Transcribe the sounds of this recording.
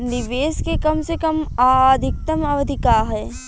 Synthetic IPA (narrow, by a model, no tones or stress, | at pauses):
nɪʋeːskekɐmsekɐmad̪ʱɪk̚t̪əmɐʋəd̪ʱɪkaːɦɦɛː